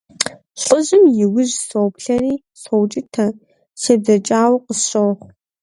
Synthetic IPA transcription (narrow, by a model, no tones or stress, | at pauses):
ɬʼəʑɪmjɪwʊʑsowpɬɐɾiː | sowt͡ʃʼɪtʰɐ | ʃɐd͡zɐt͡ʃʼaːwqəsɕʼɐwχʷ